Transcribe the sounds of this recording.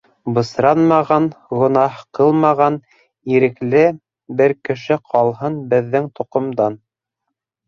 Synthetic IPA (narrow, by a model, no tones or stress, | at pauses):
bɤ̆sɾɑnmɑʁɑnʁŏnɑhqɤlˠmɑʁɑn | iɾɘ̆klɘ | bɘɾkɘ̆ʃɘqʰɑlˠɦɤnbɘ̆ðːɘŋt̪ŏqŏmd̪ɑn